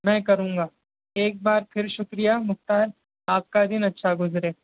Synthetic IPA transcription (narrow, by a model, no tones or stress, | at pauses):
mɛ̃ːkɐɾũːŋɡaː | eːk̚baːɾpʰɪɾʃʊkɾijamʊxt̪aːɾ | aːp̚kad̪ɪnɐtːʃʰaɡʊzɾeː